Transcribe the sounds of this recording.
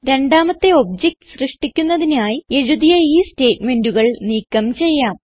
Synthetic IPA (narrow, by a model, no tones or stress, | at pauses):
ɾe̞ɳɖaːmɐt̪ːe̞o̞bd͡ʑek̚ʈɨ̥srɨʂʈikʲːunːɐðinaːjie̞ɻuðijɐiːste̞ːtme̞nduɣɐɭniːkːɐmt͡ɕe̞jːaːm